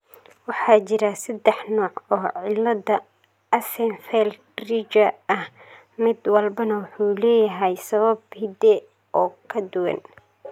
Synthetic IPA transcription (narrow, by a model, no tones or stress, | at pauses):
wɑħɑːt͡ʃɪɾɐsɐd̪ɛħnɔːʕɔːʕɪlɐdɐ | ɐsɛnfɛl | rit͡ʃɐɐh | mɪd̪wɐlbɐnɐwʊħuːlɛːjɐɦɛjsɐβɐbhɪd̪ɛ | ʔɔːkʰɐd̪ʊwɐ̰n